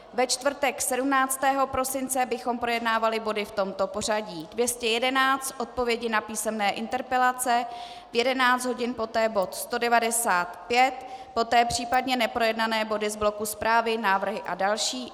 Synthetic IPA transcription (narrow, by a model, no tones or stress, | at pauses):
vɛt͡ʃt̪vr̩t̪ɛksɛdumnaːt͡st̪ɛːɦo̞pɾo̞sɪnt͡sɛbɪxo̞mpɾo̞jɛdnaːvalɪbo̞dɪft̪o̞mt̪o̞po̞r̝aɟiːdvjɛscɛjɛdɛnaːt͡st̪ʔo̞t̪̚po̞vjɛɟɪnapiːsɛmnɛːʔɪnt̪ɛɾpɛlat͡sɛ | vjɛdɛnaːt͡sd̪ɦo̞ɟɪnpo̞t̪ɛːbo̞t̪st̪o̞dɛvadɛsaːt̪pjɛt̪po̞t̪ɛːpr̝̥iːpadɲɛnɛpɾo̞jɛdnanɛːbo̞dɪzblo̞kuspɾʔaːvɪnaːvr̩ɦɪʔadalʃiː